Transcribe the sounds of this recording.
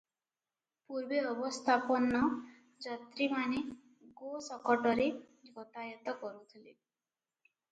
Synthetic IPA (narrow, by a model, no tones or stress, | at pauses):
puɾbeɔbɔst̪ʰapɔnɔ | d͡ʒɔt̪ɾimane | ɡosɔkɔʈɔɾe | d͡ʒɡɔt̪ajɔt̪ɔkɔɾut̪ʰile